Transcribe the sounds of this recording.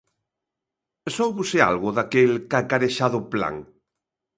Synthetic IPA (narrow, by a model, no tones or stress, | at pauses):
sowβusea̰lɣʊðakelkakaɾeʃaðʊpla̰ŋ